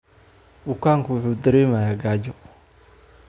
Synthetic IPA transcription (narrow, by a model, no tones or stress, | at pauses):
bʊkʰaːŋkʰɐwʊħuːd̪ɐɾɛːmɐjaːɡaːd͡ʒɔ